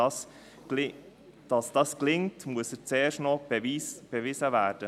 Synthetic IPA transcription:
s | ɪ | d̥ɑsd̥ɑsklɪŋtmuəsəɾt͡seːɾʃnɔbb̥evɪzəvæːɾd̥ə

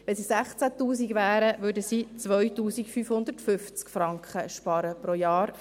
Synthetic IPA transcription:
ʋɛnsisæχt͡sætuːsiɡʋæːɾəʋʏdəsit͡sʋœɥtuːsikfyːfhʊnd̪əɾtfʏft͡skfɾɑŋkχəʃpɑɾəpɾojɑːɾ

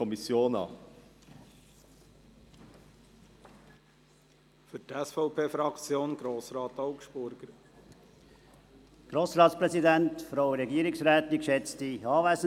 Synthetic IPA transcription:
ɔmisjoːnɑ̰ː | fʏtɛsfɔʊpʰeːfɾɑkt͡sjoːnɡ̥ɾoːsɾɑːtɔʊkʃb̥ʊɾɡ̥əɾ | ɡ̥ɾoːsɾɑːtspɾɛsidɛntfɾoʊəɾɛɡiəɾɪksɾɛːt̪ikʃɛt͡stiɑːvæɪsə

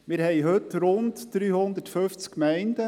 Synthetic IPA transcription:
mɪːɾhɛɪɦɵtɾʊntd̥ɾyːhʊnd̪ətfɵft͡skkmɛɪndə

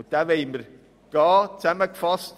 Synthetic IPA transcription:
d̥avejmər | ɡ̥ɑːtʰɛməkfɔst

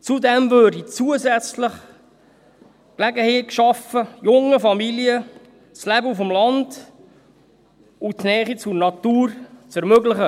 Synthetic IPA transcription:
t͡sud̪ɛmvøːɾdit͡suəzɛt͡sləχ | klæɡəheːkʃɑfəjʊŋəfɑmiliə | slæbəufɔmlɑnd̥ | utnɛːχit͡surnɑt̪uːɾt͡sɛɾmøɡləχə

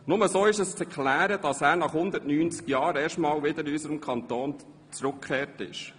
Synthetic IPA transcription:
nʊməsoːɪʃəst͡sɛɾkʰlæːɾəd̥ɑsæːɾnɑχhʊnd̪ətnyːnt͡skjɑːɾeːɾʃtmɑːlʋɪd̪əɾɪysəɾəmkʰɑnt̪oːn | t͡sɾʊkʰχeːrtɪ̰ʃ

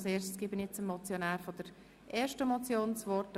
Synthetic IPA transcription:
seːɾʃtsɡ̥ɪːbənjɛt͡səmmɔt͡sjonæːɾfod̥̪əɾ | ʔeːʃtəmɔt͡sjoːnsʋɔrt

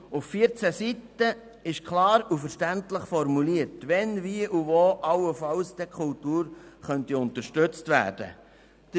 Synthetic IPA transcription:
uffiəɾt͡sæsitə | ɪʃkʰlɑːɾufəɾʃtæntləχfɔɾmuliəɾtʋɛnviəʔuvoːʔɑwəfɑlsd̥̪ɛkʰʊltuːɾχœntiʊntəɾʃtøt͡stvæ̰ːd̥ə̰ | d̥ə

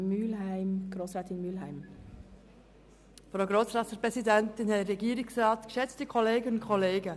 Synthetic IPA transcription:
myːlhæɪmɡ̥ɾoːsɾɛːt̪ɪnmyːlɦaɪm | fɾoʊɡɾoːsɾɑːtəpɾɛsidæntɪnhɛəɾɛɡiːɾɪksrɑːtkʃɛt͡stəkʰɔleːɡənʊntkʰɔleːɡə

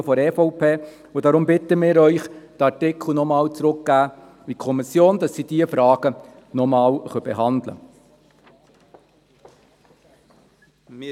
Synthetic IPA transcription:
fɔɾɛfɔʊpʰeː | ʊdɑɾʊmbɪt̪əmɪːɾœʏχd̥əɑɾtɪkʰl̩nɔmɑːwt͡sɾʊkɡ̥æː | ʋikʰɔmɪsjoːnd̥ɑsːiːd̥iːəfɾɑːɡ̥ə | nɔmɑːlχœbɛ̰ɦɑnd̪lə̰

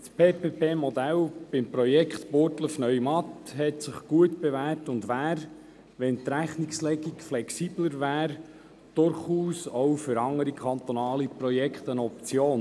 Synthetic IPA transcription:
speːpeːpeːmɔd̪ælb̥ɪmpɾɔjɛkχt̪pʊɾtləfnœʏmɑt̪hɛtsɪχɡ̥uətb̥evæːrtʊndʋæːɾ | ʋɛnt̪ɾæχnikslɛɡikflɛksiːb̥ləɾvæːɾ | d̥ʊɾχuːsɔwfʏɾɑŋəɾikʰɑnt̪ɔnɑːlipɾɔjɛkχt̪ənɔp̚t͡sjoːn

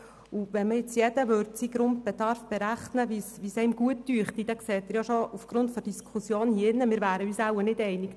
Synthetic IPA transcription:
uʋɛməɪt͡sjɛd̥̪əʋøɾtsiɡɾʊnt̚b̥ɛd̪ɑɾfb̥ɛɾæχnəʋisʋisɛɪmɡuətːyːχt̪id̥̪ɛkseːt̪ɪːɾjɑʃoufɡ̥ɾʊntfɔd̥iskʰusjoːnhiɪnːəmɪːɾvæːɾəyːsæʊənɪdɛɪniɡ̥

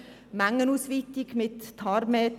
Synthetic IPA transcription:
mæŋːənuːsʋit̪ɪɡmɪt̪ːʰɑɾmeː

